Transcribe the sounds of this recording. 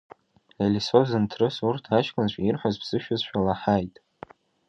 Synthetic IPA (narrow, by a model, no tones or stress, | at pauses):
elʲisozantʰrɨsurtʰat͡ʃkʼɨnʃʷᶣairħazbz̥ɨʃᶣʊzʃᶣalaħajtʼ